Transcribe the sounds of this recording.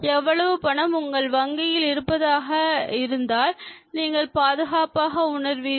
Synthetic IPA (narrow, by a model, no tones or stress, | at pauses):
ɛʋːɐɭɐʋɯpɐɳɐmʊŋɡɐɭʋɐŋɡɪjɪlɪɾɯpːɐðaːɣɐɪɾɯnd̪aːlniːŋɡɐɭpaːðɯɣaːpaːɣɐʊɳɐɾʋi